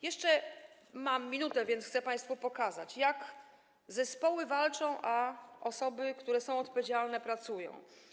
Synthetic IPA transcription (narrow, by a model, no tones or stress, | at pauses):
jɛʂt͡ʂɛ | mamːʲinut̪ɛvʲjɛnt̪xt̪sɛpaj̃st̪fupɔkaza̰t͡ɕjak | zɛspɔwɘvalt͡ʂɔ̃w̃ʔaɔsɔbɘkt̪uɾɛsɔ̃w̃ɔt̪̚pɔvʲjed͡ʑalnɛpɾat̪sujɔ̰̃w̃